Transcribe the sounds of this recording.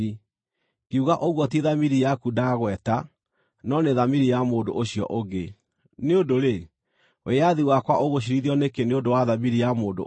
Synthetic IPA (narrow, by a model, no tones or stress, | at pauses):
i | keuɣaʔoɣwɔt̬eðamiɾijakudaɣwɛta | nɔneðamiɾijamoːndoʔoɕiɔ̰ʔoɣɡe | neodoɾe | wʔeaðiwakwaʔoɣoɕ̬iɾiðiɔnekeneodowaðamiɾijamoːdo̰